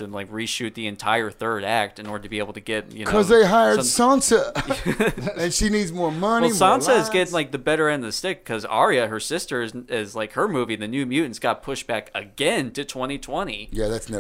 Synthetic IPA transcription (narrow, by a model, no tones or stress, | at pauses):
ɨ̃nlaɪkɹiʃʉt̪̚ðiɨ̃ntʰaɪə˞θɜ˞ɾæk̚tɨ̃nɔɹdə˞tʰɨbieɪbl̩ˠtʰɨɡɛt̚jɨ̰nkʰʌzðeɪɦaɪə˞dʌ̥sɑ̃nsə | ɨ̃nʃinidzmɔɹmʌnɛlisɑ̃nsɨɨzɡɛɾɪ̃ŋlaɪk̚ðɨbɛɾə˞ɛ̃ndʌvðɨstɪkʰːʌzɑ̰ɹiɨə˞sɪstə˞ɨzɪzlaɪkhə˞mʉviðɨnʉmjʉʔn̩sɡ̥ɑt̚pʰʊʃb̥ækɨɡɛ̃ntʰɨtʰw̥ɛ̃ɾ̃itʰw̥ɛ̃ɾ̃ijæðætsnɛ